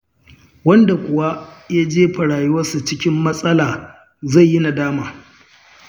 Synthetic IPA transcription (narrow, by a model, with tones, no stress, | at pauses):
wɐ˦nda˨kʷʊ˨wa˦ja˦d͡ʒeː˦ɸɐ˨ɽaː˨jʊ˦wɐ˦su˨t͡ʃɪ˦kʲɪ˦mːɐ˦sʼɐ˦laː˨ | za˦˨jːɪ˦na˨daː˦maː˨